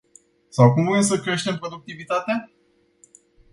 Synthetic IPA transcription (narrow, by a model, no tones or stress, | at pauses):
sawkumumemsəkɾe̞ʃt̪e̞mpɾo̞d̪uk̚t̪ivit̪at̪a